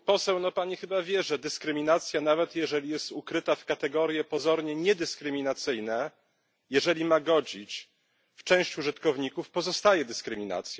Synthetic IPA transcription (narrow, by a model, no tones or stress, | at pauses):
pɔsɛwnɔpaɲixɘbavʲjɛʐɛd̪ɘskɾɘmʲinat̪sʲjanavɛt̪jɛʐɛlʲijɛst̪ukɾɘt̪afkat̪ɛɡɔɾjɛpɔzɔɾɲɛɲɛd̪ɘskɾɘmʲinat̪sɘjnɛ | jɛʐɛlʲimaɡɔd͡ʑit͡ɕ | ft͡ʂɛ̃w̃ɕt͡ɕuʐɘt̪kɔvɲikufpɔzɔst̪ajɛd̪ɘskɾɘmʲina̰t̪sʲjɛ